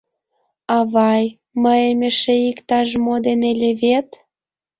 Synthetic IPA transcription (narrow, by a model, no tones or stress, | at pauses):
ɑβɑj | məemʲeʃeikt̪ɑʒmod̪enelʲeβet̪